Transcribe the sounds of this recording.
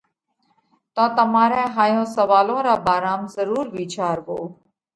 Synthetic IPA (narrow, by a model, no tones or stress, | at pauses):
t̪ɔ̃ːt̪əmaːɾɛ̃ːɦaːjõːsəʋaːlõːɾaːbaːɾaːmzəɾuːɾʋiːt͡ʃaːɾʋoː